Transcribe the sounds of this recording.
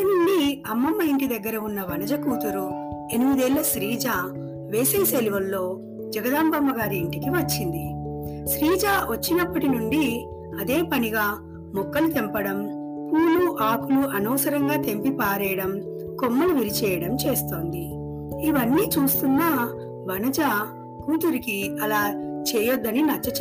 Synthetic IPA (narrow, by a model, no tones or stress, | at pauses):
ɐnuɳɖiɐmːɐmːɐiɳʈid̪ɐɡːɐɾɐunːɐʋɐnɐd͡ʒɐkuːt̪ɐɾu | e̞nimid̪eːlːɐʃɾiːd͡ʒaː | ʋeːseːseliʋɐlːo̞ː | d͡ʒɐɡɐd̪aːmbɐmːɐɡaːɾiːɳʈikiʋɐt͡ʃːind̪iʃɾiːd͡ʒaːʋɐt͡ʃːinɐpːɐʈinuɳɖi | ɐd̪e̞ːpɐniɡaː | mɔkːɐlut̪empɐɽɐm | puːluʔaːkuluʔɐnɔːsɐɾɐŋɡaːt̪e̞mpipaːɾɛːjɐɽɐm | komːɐluʋiɾit͡ʃɛːjɐɽɐmt͡ʃe̞ːst̪oːnd̪i | iʋɐnːiːt͡ʃuːst̪unːaː | ʋɐnɐd͡ʒaː | kuːt̪̬uɾikiɐlaːt͡ʃɛːjɔd̪ːɐninɐt͡ʃːɐt͡ʃ